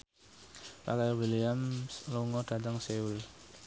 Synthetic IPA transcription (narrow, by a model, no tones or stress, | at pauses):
pa̰kajwiliamluŋɔd̥ad̪aŋseul